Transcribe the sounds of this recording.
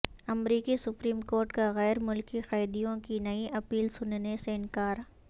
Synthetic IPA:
ɐmɾiːkisʊpɾiːmkoːɾʈkaɣɛːɾmʊlkixɐːd̪ijõkinɐiʔɐpiːlsʊnneseɪnkaːɾ

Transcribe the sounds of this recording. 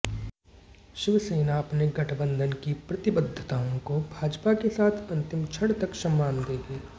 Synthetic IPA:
ʃɪʋseːnaɐpneɡɐʈʰbə̃nd̪ʱənkipɾɐt̪ɪbəd̪ʱːət̪aːõkobʱaːd͡ʒpakesaːt̪ʰɐ̃nt̪ɪmt͡ʃʰɐɽt̪ɐksɐ̃mːaːnd̪eːɡeː

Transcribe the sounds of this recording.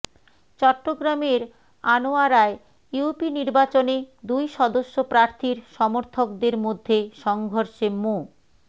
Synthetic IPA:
t͡ɕɔʈːoɡɾameɾ | anoaɾae | jupiniɾbat͡ɕoned̪ujʃɔd̪oʃːopɾaɾt̪ʰiɾʃɔmoɾt̪ʰokd̪eɾmod̪ʱːeʃɔŋɡʱoɾʃemo

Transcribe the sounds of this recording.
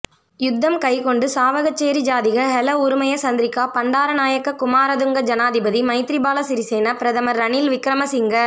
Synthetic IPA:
jʊd̪ʱːɐmkɐɪkɔɳɖɯsaːʋɐɣɐt͡ʃːeːɾid͡ʒaːðɪɣɐɦɛlɐʊɾʊmɐjɐsɐnd̪ɪɾɪkːaːpɐɳɖaːɾɐnaːjɐkːɐkʊmaːɾɐðɯŋɡɐd͡ʒɐnaːðɪbɐðimɐɪt̪ɪɾɪbaːlɐsɪɾɪseːnɐpɪɾɐðɐmɐɾːɐnɪlʋɪkɾɐmɐsɪŋɡɐ

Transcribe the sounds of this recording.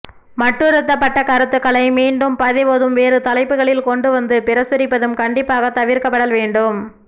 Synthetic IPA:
mɐʈːɯɾɯt̪̬ːɐpːɐʈːɐkɐɾɐt̪ːɯkːɐɭɐɪmiːɳɖɯmpɐðɪʋoːðɯmʋeːɾɯt̪ɐlɐɪpːɯɣɐɭɪlkɔɳɖɯʋɐnd̪ɯpɪɾɐsʊɾɪpːɐðɯmkɐɳɖɪpːaːɣɐt̪ɐʋɪɾkɐpːɐɽɐlʋeːɳɖɯm

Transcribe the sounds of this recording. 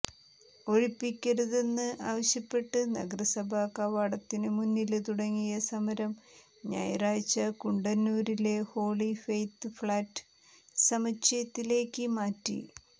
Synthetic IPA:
o̞ɻipːikʲːeɽuðe̞nːɨʔaːʋɐɕjɐpːe̞ʈːɨnɐ̰ɡɐrɐsɐbʱaːkɐʋɐɽɐt̪ːinɨmunːilt̪uɽɐŋːijɐsɐmɐɾɐm | ɲa̰ːjɐraːjt͡ɕːɐkuɳɖɐnːuːɾile̞ho̞ːɭifejt̪ːɨfɭaːtːɨ̥ | sɐmɐt͡ɕːɐjɐt̪ːile̞ːkːɨmaːtːḭ

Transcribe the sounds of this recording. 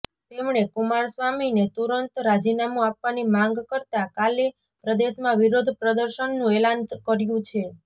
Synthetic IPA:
t̪emɳekumaɾsʋaminet̪uɾənt̪ɾad͡ʒinamũapʋanimãŋɡkəɾt̪akale | pɾəd̪eʃmãʋiɾod̪ʱpɾəd̪əɾʃənːũelankəɾjũt͡ʃʰe

